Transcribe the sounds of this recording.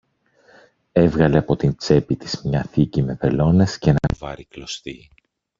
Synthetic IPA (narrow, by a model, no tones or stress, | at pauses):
e̞vɣɐle̞ɐpo̞t̪int͡se̞pit̪izmɲɐθicime̞ve̞lo̞ne̞sce̞nɐ̰vɐɾiklo̞st̪i